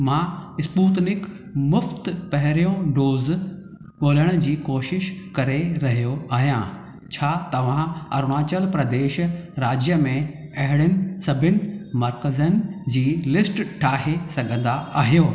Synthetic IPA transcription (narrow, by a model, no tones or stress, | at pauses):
mãːɪspuːt̪nɪk | mʊft̪pɐɦɪɾijõɖoːz | ɓoːləɽ̃ə̆d͡ʑiːkoːʃɪʃkɐɾeɾɐɦijoaːɦijã̰ | t͡ɕʰaːt̪ɐʋ̤ãɐ̰ɾnaːt͡ɕəlpɾɐd̪eːʃɾaːd͡ʑjəmẽɐɦɪɽ̃ɪnɪ̆sɐbʱɪnɪ̆mɐɾkəzənɪ̆d͡ʑiːlɪsʈʈʰaːɦesɐɡʱə̃nd̪aaːɦijoː